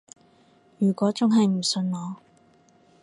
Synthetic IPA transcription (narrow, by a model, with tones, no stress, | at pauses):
jyː˨˩kʷɔː˨˥t͡sʊ˥ŋɦɐ˨jm̩˨˩sɵ˧nlɔː˨˧